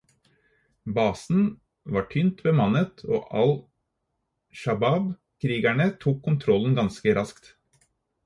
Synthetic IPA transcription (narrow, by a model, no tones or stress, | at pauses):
bɑːsn̩ | ʋɑːʈʰʏnt̪bəmɑnət̪ʰo̰ːʔɑl | ʃɑbɑb | kʰɾiːɡæɳət̪ʰuːkʰːʊnt̪ʰɾɔln̩ɡɑnskəɾʔɑskt̪